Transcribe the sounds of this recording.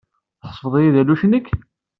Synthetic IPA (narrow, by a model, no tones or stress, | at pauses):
θħə̥sˤfəðˤijiðæluʃnəkː